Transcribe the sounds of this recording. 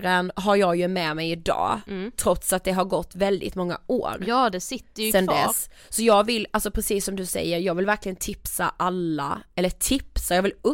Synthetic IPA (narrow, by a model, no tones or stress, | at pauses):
ɾənɦaɾjɑɡjɵmɛːmɛjɪd̪ɑ̰ːt̪ʰɾɔt̪sat̪̚d̪ɛɦaɾɡɔt̪ːvɛld̪ɪ̰t̪mɔŋːa̰ʔoːɾd̪ɛsɪt̪ːəsɛnd̪ɛ̰s | sɔjɑːɡvɪlːalsɔpʰɾɛsiːsːɔmd̪ɵsɛ̰jːəɾjɑːɡvɪlvæɾklɪɡənt̪ʰɪpsa̰ʔalːa̰ɛlːəʈʰɪpsajɑːvɪlɵ